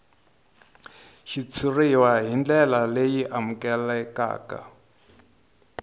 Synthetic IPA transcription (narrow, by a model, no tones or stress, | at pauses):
ʃit͡sʰiriwaɦind͡ɮɛlalejiʔamukɛlɛka̰ːka̰